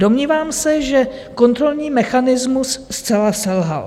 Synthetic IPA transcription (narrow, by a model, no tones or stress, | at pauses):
do̞mɲiːvaːmsɛʒɛ | ko̞nt̪ɾo̞lɲiːmɛxanɪzmusːt͡sɛlasɛlɦa̰l